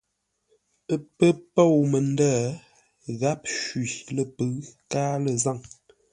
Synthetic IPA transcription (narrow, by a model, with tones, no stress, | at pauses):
ə˦pə˦po˦˨wmə˨ndəː˦˨ | ɣa˦p̚ʃwɥi˨lə˦˨pə˨˦kaː˦lə˨za˦˨ŋ